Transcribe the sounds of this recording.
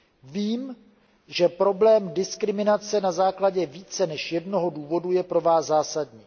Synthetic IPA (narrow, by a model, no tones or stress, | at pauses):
viːm | ʒɛpɾo̞blɛːmdɪskɾɪmɪnat͡sɛnazaːklaɟɛviːt͡sɛnɛʃjɛdno̞ɦo̞duːvo̞dujɛpɾo̞vaːszaːsadɲiː